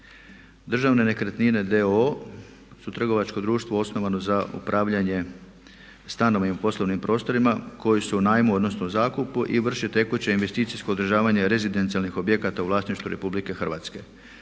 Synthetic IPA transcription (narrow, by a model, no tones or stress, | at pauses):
d̪r̩ʒaʋne̞ne̞kɾet̪nine̞d̪eo | sut̪r̩ɡo̞ʋat͡ʃko̞d̪ɾuːʃt̪ʋo̞o̞sno̞ʋanozaṵpɾʔaːʋʎaɲe̞ | st̪ano̞ʋnimpo̞sloʋnimpɾo̞ːst̪o̞ɾimako̞jesunaːjmuo̞d̪no̞snouzaːkupuʔiʋr̩ʃet̪e̞kut͡ɕeinʋe̞st̪iːt̪sisko̞ːd̪r̩ʒaːʋaɲe̞ɾe̞zid̪ent̪ialnixo̞bje̞kat̪auʋlaːsniʃt̪uɾe̞publike̞xr̩ʋat̪ske̞